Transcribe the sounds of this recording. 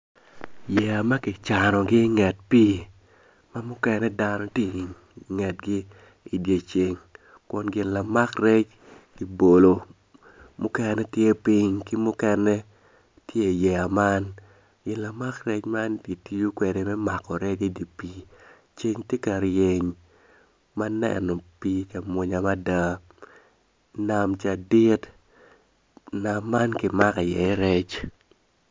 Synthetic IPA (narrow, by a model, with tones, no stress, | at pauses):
jɛ˨a˨ma˦kɪ˨t͡ʃa˨nɔ˨ɡɪ˦ŋɛ˨t̚piː˦ | ma˦mʊ˦kɛ˨nɛ˦da˦nɔ˦te˦˨ | ŋɛ˨t̚ɡɪ˦ | i˨dje˨t͡ʃe˦ŋ | kʊ˨nɡɪ˨nla˨ma˦krɛ˦t͡ʃ | kɪ˨bo˨lo˨ | mʊ˦kɛ˦nɛ˦tje˦pi˦ɲkɪ˦mʊ˦kɛ˦nɛ˦ | tje˦˨jɛ˨a˨ma˦n | ɡɪ˨la˨ma˦krɛ˦t͡ʃma˦nti˨ti˦ju˦kwe˨de˨mɛ˦ma˨kɔ˨ɾɛ˦d͡ʒi˦di˨pi˨ | t͡ʃe˦ɲte˦ka˨ɾje˨ɲ | ma˦nɛ̰nɔ˨pi˦t͡ʃa˨mwo˨ɲa˨ma˦da˦ | na˨mt͡ʃa˨dɪ˦t | na˨mːa˦nkɪ˨ma˦ka˨jɛ˨˦ɾɛ˦t͡ʃ